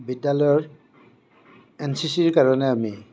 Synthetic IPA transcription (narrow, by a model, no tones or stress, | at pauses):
bidːalɔjɔɹ | ɛnsisiɹkaɹɔnɛami